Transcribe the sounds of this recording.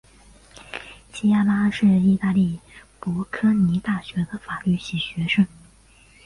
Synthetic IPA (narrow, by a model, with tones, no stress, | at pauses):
t͡ɕʰi˥a˥˩la˥ʂɻ̩˥˧i˥˧t̪a˥˧li˥˩pɔ˧˥kʰɤ˥ni˧˥t̪a˥˩ɕɥɛ˧˥d̪ə˨fa˨˩ly˥˩ɕi˨˩ɕɥɛ˧˥ʂə˥ŋ